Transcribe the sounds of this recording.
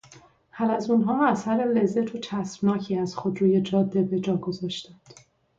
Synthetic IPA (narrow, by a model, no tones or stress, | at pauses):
hælæzunɦɒːæsæɾele̞zːæt̪ʰot͡ʃʰæsb̥nɒːcʰiːæz̥xod̪ɾuːje̞d͡ʒɒːd̪ːe̞be̞d͡ʒɒːɡo̞zɒːʃt̪ænd̪̥